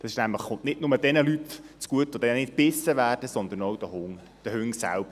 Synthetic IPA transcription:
d̥ɑsɪʃnæmləχχʊntnɪtnʊmədɛnəlytt͡skuətʋod̥̪ɛnənɪt̚b̥ɪsəvæːrd̥əsɔnd̪ənowd̥̪əhʊŋ | d̪̥əhʏŋsæ̰lb̥ə

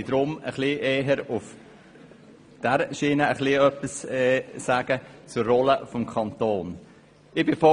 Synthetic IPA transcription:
d̪ɾʊmə̰χliʔeːɦəɾʊf | d̥æɾʃiːnəəχliœpːɪsɛːsæɡ̥ət͡sʊrːɔləfɔmkʰɑnt̪oːn | ɪbɪfɔ

